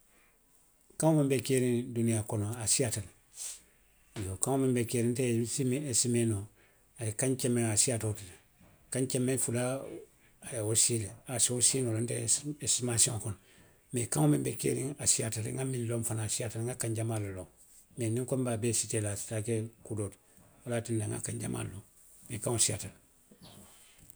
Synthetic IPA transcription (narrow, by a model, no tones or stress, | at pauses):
kãŋomẽmbekeɾĩndunijakɔnoasiatal | jokãŋomembekeɾĩntesimesimeno | ajekãɲt͡ʃɛmːeŋasiatotile | kãɲt͡ʃemːẽnfula | ajaosiːleasosinolonteesimasiõŋkun | mekãŋomimbekḛːɾḭŋasiatalḭŋɡaminlomfanaːsiatalŋɡakaɲɟamaloloŋ | meniŋkombabesitelasi̥takekudoːt | wolatindaŋɡa̰kãɲɟa̰ma̰loŋ | mekãŋosiatal